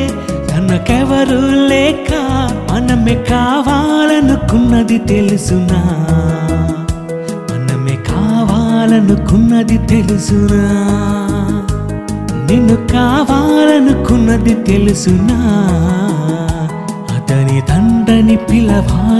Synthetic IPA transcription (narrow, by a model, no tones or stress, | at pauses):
t̪ɐnːɐkɛʋɐɾulɛːkɐmɐnːɐmekaːʋaːlɐnukunːɐd̪it̪elusuna | mɐ̰nːɐmekaːʋaːlɐnukunːɐd̪it̪elusuna | ninːukaːʋaːlɐnukunːɐd̪it̪elusunaː | ɐ̰d̪ɐnid̪ɐɳɖɐnipilɐʋaː